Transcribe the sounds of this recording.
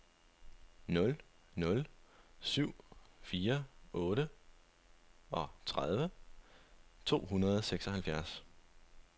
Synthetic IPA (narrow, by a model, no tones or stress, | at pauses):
nɔ̽l | nɔ̽lsyʊ̰fiːɐʔɔ̽ːɾə | ɒ̽t͡sʰʁað̞ˠʋə | t͡sʰo̝̰ːɦunɐð̞̩ˠɒseɡ̥sɒ̽hælfjæɐs